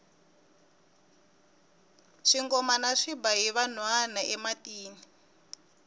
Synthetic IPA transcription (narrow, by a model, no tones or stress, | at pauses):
ʂiŋɡɔmanaʂibaɦiβan̤wanaʔɛmatiːni